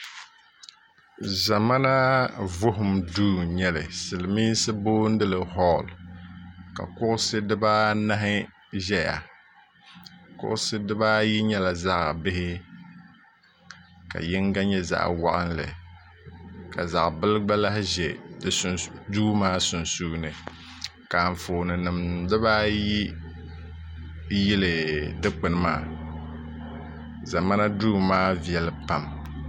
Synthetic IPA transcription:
za˨ma˦na˦vʊ˦ɦʊ˨mduː˦˨ɲɛ˦lɨ̰˨sɨ˨lɨ˨miː˦n˦sɨ˦boː˦n̩˦dɨ˦lɨ˨ɦɔ˦˨l | ka̰˨kʊ˦ʔʊ˦sɨ˦dɨ˦baː˦na˦ɦɪ˦ | ʒɛ˦ja̰˨ | kʊ̰˦ʔʊ˦sɨ˦dɨ˦ba˦ji˦ɲɛ˦la˨za˦ʔa̰˨bɪ˦hɪ˦ | ka̰˨jɪ˦ŋɡa˦ɲɛ˦za̰˦ʔwa̰˦ʔɨ˦nlɨ̰˨ | ka˨za̰˨ʔbɨ˦lɡ͡ba˦la˦hʒɛ˨˦ | duː˦maː˦sʊ˨nsuː˦nɨ˨ | kaː˨ɱ˨foː˨nɨ˨nɨ˨mdɨ˦βaː˦ji˦ | jɪ˦lɨ˨dɨ˦k͡pɨ˨n˦ma̰ː˦˨ | za˨ma˦na˦duː˦maː˦vi˨ɛ˦lɨ˨pa˨m

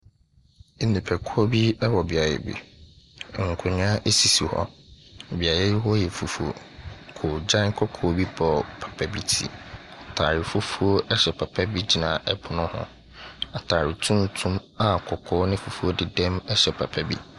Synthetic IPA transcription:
nĩ˨pʰɛ˨kʰʊ˦o˦bi˦ɛ˦wɔ˨ba˨ɾɛ̰˦˨bḭ˨ | ŋ̩˨kʰʊ˨ɲ˦ã˦ʔe˦si˨si˨hɔ̰˦˨bi˨a˨jɛ˦hɔ˦jɛ˨fu˨fu˦o̰˨kʰo˨d͡ʑã˦n˦kʰɔ˦kʰɔː˨bi˦bɔ˨pʰḁ˨pʰɛ˨bi˦tʰḭ˦a˨tʰa̰˨ɾɪ˨fu˦fu˦o˦ʔɛ˦ɕɛ˨pʰa˨pʰɛ˦bi˦d͡ʑi˨nã˨ɛ˨pʰʊ˨nʊ̃˦hʊ̰̃˦ | a˨tʰaː˨ɾɪ˨tʰũ˦n˦tʰũ˦m | a˨kʰɔ˨kʰɔː˦nɪ̃˦fu˨fu˦o˦dɪ˦dɛ̃˦mɛ˦ɕɛ˨pʰa˨pʰɛ˦bḭ˦

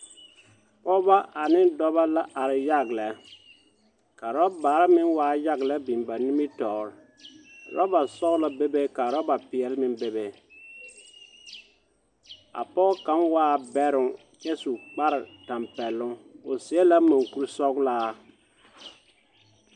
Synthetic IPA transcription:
pɔ˦ba˦ʔa˨nɪ˦ndɔ˦ba˦la˦ʔa˨ɾɪ˨ja˦ɡlɛ˨˦ | ka˨ɾɔ˦baː˨˦ɾɪ˦mɪ˦nwaː˦ja˦ɡlɛ˦bi˨mba˨ni˦mi˦tɔː˨ɾɪ˨ | ɾɔ̰˦ba˨sɔ˦ɣla˦be˦be˦ka˨ɾɔ˦ba˨pɪ˨ɛ˨lɪ˦mɪ˦nbe˦be˦ | a̰˨pɔ˦ka˨˦nwaː˦bɛ˦ɾʊ˨ŋ | jɛ˦su˨k͡pa˦ɾɪ˨ta˨mpɛ˨lːʊ˦ʊ˨sɪ˨ɛ˦la˦ma˨ŋku˦ɾsɔ˦ɡlaː˦

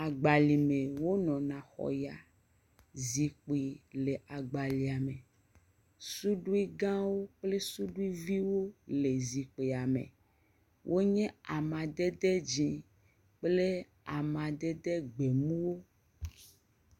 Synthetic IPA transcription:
a˨ɡ͡ba˨li˨mẽ˨wo˦nɔ̃˨nã˨xɔ̰˨ja˨ | zi˨k͡pi˨le˨ʔa˨ɡ͡ba˨li˨a˨mẽ˨ | su˦ɖu˦i˦ɡã˦wo˦k͡ple˦su˦ɖu˦i˦vi˦wo˦le˨zi˨k͡pi˨a˨mḛ̃˨ | wʔo˦ɲɛ̃˦a˨mã˨d̪ɛ˦d̪ɛ˦d͡ʒĩ˦ | k͡ple˦ | a̰˨mã˨d̪ɛ˦d̪ɛ˦ɡ͡be˨mũ˦wo˦

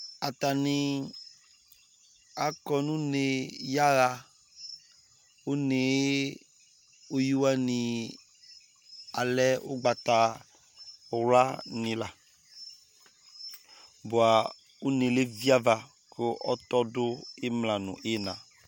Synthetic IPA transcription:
a˨t̪a˨nĩ˨ | a˨kɔ˦nũ˦ne˨ja˦ɣa˨ | o˦ne˨e˦ | o˦ju˦wa˦nĩ˨ | a˨lɛ˦o˦ɡ͡ba˨t̪a˨˦˨ | wla˦nĩ˨la˨ | bo˨a˨ | o˦ne˨le˦vi˦a˦va˨ | ke˦ʔɔ˦t̪ɔ˦dʊ˦e˦mlã˨nṵ̃˨ʔe˦nã˨

